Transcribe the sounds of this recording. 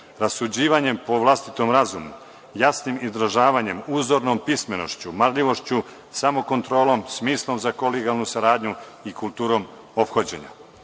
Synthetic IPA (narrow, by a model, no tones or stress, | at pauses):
ɾasud͡ʑiːʋaɲe̞mpo̞ʋlˠast̪it̪o̞mɾazumu | jasnimizd̪ɾaʒaːʋaɲe̞muːzo̞ɾnompisme̞no̞̰ʃt͡ɕumaɾʎiʋo̞ʃt͡ɕu | samo̞ko̞nt̪ɾo̞ːlo̞msmiːslˠo̞mzako̞leɡalˠnusaɾaːd̪ɲuikulˠt̪uːɾo̞m | o̞pxod͡ʑe̞̰ɲa̰